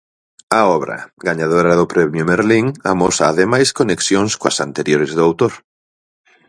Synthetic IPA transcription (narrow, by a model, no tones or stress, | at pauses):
aɔβɾɐ̰ɡaɲað̞oɾɐðʊpɾɛmjʊmeɾliŋa̰mɔsaːðemajskoneksjoŋskoɐsant̪eɾjoɾɪzðʊawt̪oɾ